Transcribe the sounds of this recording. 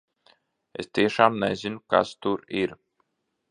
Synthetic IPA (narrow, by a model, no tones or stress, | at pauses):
ḛst̪iɛʃaːmnɛ̰zʲinuka̰st̪uɾiɾ